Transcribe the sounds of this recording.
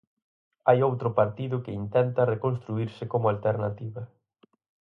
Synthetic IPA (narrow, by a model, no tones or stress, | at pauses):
ajowt̪ɾʊpaɾt̪iðʊkɪint̪ɛnt̪ɐrekonst̪ɾuiɾsɪkomʊalt̪eɾnat̪iβɐ